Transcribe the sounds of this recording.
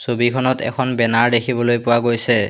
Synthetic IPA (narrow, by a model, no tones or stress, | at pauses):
sobikʰɔnɔtɛ̰kʰɔnbɛnaɹdekʰibɔlojpʊwaɡojsɛ